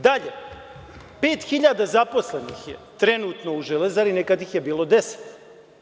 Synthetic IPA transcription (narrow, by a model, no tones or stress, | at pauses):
d̪aʎe | pe̞ːt̪xiʎaːd̪azapo̞sle̞nixjḛt̪ɾe̞nuːt̪no̞uʒelezaɾinekad̪ixje̞biːlo̞d̪ese̥t̪